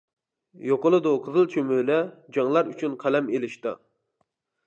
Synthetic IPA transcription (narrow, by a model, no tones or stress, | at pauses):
joqolˠɨd̪ʊqʰəzɨlˠt͡ʃʰømylɛd͡ʒɑŋlˠɑɾyt͡ʃʰynqʰælɛmelɪʃt̪ɨ̰